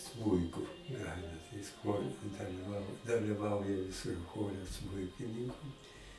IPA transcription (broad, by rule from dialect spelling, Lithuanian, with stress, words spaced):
ˈsmʊɪkʊ ˈɡrɑːjɪnɐ tɐɪ jɪs ˈxoːrʲɛ dɐlʲɪˈʋɐʊ dɐlʲɪˈʋɐʊjɛ jɪs ɪr ˈxoːrʲɛ ˈsmʊɪkʲɪnʲɪŋkʊ